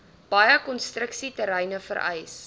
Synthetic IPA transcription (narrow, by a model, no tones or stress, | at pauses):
b̥ɐjəkɔnstrəksitəɾɛjnəfəɾʔɛ̰js